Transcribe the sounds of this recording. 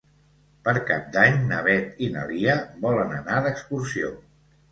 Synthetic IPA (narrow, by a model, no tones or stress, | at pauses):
pəɾkap̚d̪aɲnəβ̞ɛt̪inə̰liəβɔlənənaðəkskuɾsio